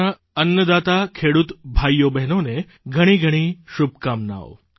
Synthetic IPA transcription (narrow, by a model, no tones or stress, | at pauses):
a | ənːəd̪at̪akʰeɽut̪bʱajːobɛɦnone | ɡʱəɽ̃iɡʱəɽ̃iʃub̚kamna̰ʋo